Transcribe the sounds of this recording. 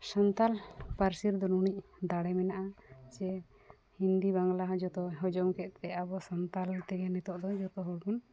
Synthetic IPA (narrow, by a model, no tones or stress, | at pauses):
sant̪alpaɾsiɾd̪ɔnuɽic̚d̪aɽɛmɛnaʔat͡ʃɛ | hind̪ibaŋlaɦɔd͡ʒɔt̪ɔɦɔd͡ʒɔmkɛt̪̚t̪ɛabɔsɔnt̪alt̪ɛɡɛnɛt̪ɔʔd̪ɔd͡ʒɔt̪ɔɦɔɽbɔn